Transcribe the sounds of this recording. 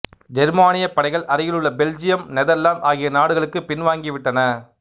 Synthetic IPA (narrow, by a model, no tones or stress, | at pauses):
d͡ʒɛɾmaːnɪjɐpːɐɽɐɪɣɐɭʔɐɾɪjɪɭɯɭːɐbɛld͡ʒɪjɐmnɛðɛlːaːmʔaːɣɪjɐnaːɽɯɣɐɭɯkːɯpɪnʋaːŋɡɪʋɪʈːɐnɐ